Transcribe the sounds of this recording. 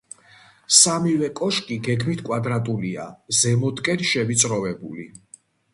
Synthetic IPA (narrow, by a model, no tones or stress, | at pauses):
samivɛkʼɔʃkʼiɡɛɡmit̪ʰkʼwad̪ɾat̪ʼulia̰zɛmɔt̪ʼkʼɛnʃɛvit̪sʼɾɔvɛbṵlḭ